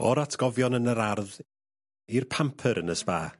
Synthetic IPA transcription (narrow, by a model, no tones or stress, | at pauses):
ɔɾatʰɡ̥ɔvjɔnənəɾarð | irpʰampʰəɾənəspa̰ː